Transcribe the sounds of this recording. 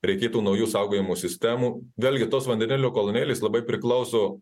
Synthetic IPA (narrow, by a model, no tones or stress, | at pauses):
ɾʲɛɪkʲeːt̪uːnɐʊjuːsɑˑʊɡoːjɪmuːsʲɪsʲt̪ʲæːmuːʋʲeːlʲɡʲɪt̪oːsʋɐnʲd̪ʲɛnʲɪlʲoːkolˠonʲeːlʲeːslˠɐbɐɪpʲɾʲɪklˠɐʊsoː